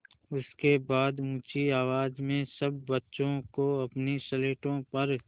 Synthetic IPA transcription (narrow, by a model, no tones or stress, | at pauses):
ʊskebaːd̪ũːt͡ʃiaːʋaːd͡ʒmẽsɐbːɐtːʃõkoɐpnisɐleːʈõpɐɾ